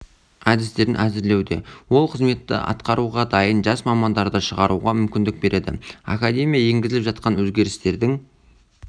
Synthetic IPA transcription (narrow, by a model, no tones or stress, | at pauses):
æd̪ɪst̪e̞ɾɪnʔæzɪɾle̞wd̪e̞wo̞lˠqʰəzme̞t̪ːɪ̰ʔɑ̰t̪qɑɾuʁɑd̪ɑjənʒɑsmɑmɑnd̪ɑɾd̪əʃəʁɑɾuʁɑmʏmkʲɪnd̪ɪk̚be̞ɾʔe̞d̪ɪ̰a̰kad̪ʲe̞mʲijaje̞ŋɡʲɪzɪlɪpʒɑt̪̚qɑnwɵzɡʲe̞ɾɪst̪e̞ɾd̪ɪŋ